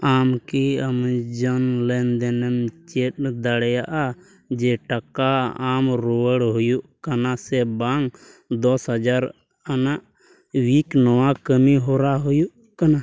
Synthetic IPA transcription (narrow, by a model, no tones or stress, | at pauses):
amkiamd͡ʒənlɛnd̪ɛnɛmt͡ʃɛʈd̪aɽɛjaʔa | d͡ʒɛʈakaamɾuwəɽɦujuʔkanasɛbaŋ | d̪ɔsɦəd͡ʒaɾ | anaʔ | wiknɔwakəmiɦɔɾaɦujuʔ | kana